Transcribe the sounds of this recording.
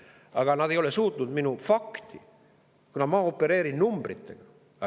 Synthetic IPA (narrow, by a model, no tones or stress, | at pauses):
ɑɡ̥ɑnɑd̪ejo̞le̞suːt̪nud̪minufɑkt̪i | kunɑmɑːo̞pːe̞ɾe̞ːɾinnumb̥rḭt̪ːe̞̰ɡ̥ɑ | ɑ